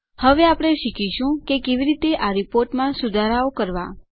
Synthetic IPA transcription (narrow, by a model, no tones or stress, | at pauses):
həʋeapɽ̃eʃikʰiʃũkekeʋiɾit̪eʔaɾipoɾʈmãsud̪ʱaɾaokəɾʋa̰